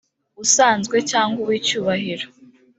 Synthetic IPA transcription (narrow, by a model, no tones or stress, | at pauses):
usaːnzɡwe̞caːŋɡuβwiːcuːβaɦiɾo